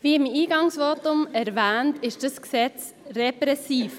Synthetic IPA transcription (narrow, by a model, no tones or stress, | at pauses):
viːɪmiːɡɑŋsvoːtʊmɛɾvɛːntɪʃd̥ɑsksɛt͡s | rɛpɾɛsiːf